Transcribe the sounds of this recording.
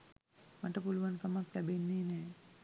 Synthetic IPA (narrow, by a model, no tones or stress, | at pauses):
maʈəpuluʋankɐmak̚t̪ɛbenːeːnɛː